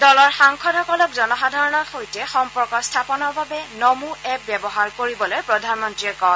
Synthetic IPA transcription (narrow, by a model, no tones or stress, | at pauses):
dɔlɔɹxaŋkʰɔdʱɔkɔlɔkzɔnɔxadʱaɹɔnɔxojtɛxɔmpɔɹkɔstʰapɔnɔɹbabɛnomuɛp̚bɛbɔɦaɹkoɹibɔlojpɹɔdʱanmɔntɹiɛkɔ